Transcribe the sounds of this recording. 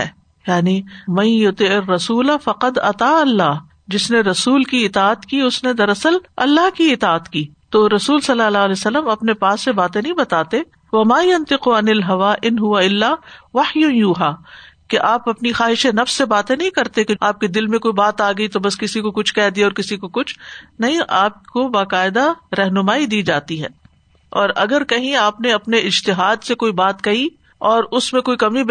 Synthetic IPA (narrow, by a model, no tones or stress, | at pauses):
ɛ̰ː | jaːnimɐ̃jjʊt̪ɪʕɪrːɐsuːlafɐqɐd̪ɐ̰t̪aːɐlːaːɦ | d͡ʒɪsneɾɐsuːlkiɪt̪aːt̪kiʊsned̪ɐɾɐsəlɐ̰lːaɦkiɪt̪aːət̪kiːt̪oːɾɐsuːlsɐlːaːlaːlɛsɐlːəmɐpnepaːsːebaːt̪ẽnɐɦĩbɐt̪aːt̪e | ʋɐmaːjɐnt̪ɪqɐnɪlɦɐʋaːʔɪnɦʊʋaɪlːaːʋɐħjʊjuːɦaːkeʔaːpɐpnixaːɦɪʃenɐfssːebaːt̪ẽnɐɦĩkɐɾt̪ekeaːp̚ked̪ɪlmẽkoːibaːt̪aːɡɐit̪obɐskɪsikokʊt͡ʃʰkɛːd̪iɔːɾkɪsikokʊt͡ʃʰnɐɦĩʔaːp̚kobaːqaːɪd̪aɾɛɦnʊmaːid̪iːd͡ʒaːt̪iɦɛ̰ː | ɔːɾɐɡəɾkɐɦĩaːpneɐpneɪd͡ʒt̪ɪɦaːd̪sekoːibaːt̪kɐɦi | ɔːɾʊsmẽkoːikɐmi